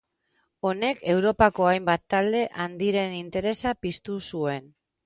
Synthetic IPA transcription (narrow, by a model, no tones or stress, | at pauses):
o̞ne̞kʰe̞wɾo̞pako̞ajmbat̪ːald̪e̞ʔand̪iɾe̞nint̪e̞ɾe̞sapist̪usue̞n